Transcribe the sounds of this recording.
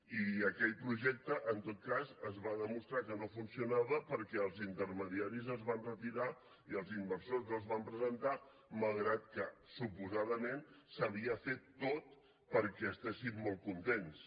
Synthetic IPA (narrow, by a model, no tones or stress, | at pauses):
iəkɛʎpɾuʒɛk̚t̪əʔənt̪ot̪̚kazəzβaðəmust̪ɾakənofunsiunaβəpəɾkɛəlˠzint̪əɾməðiaɾizəzβanrət̪iɾa | iəlˠzimbəɾsozəlˠzβampɾəzənt̪a | malˠɣɾat̪̚kəsupuzaðəmensəβiəfet̪ːot̪̚ | pəɾkɛəst̪esimːolˠtkunt̪ens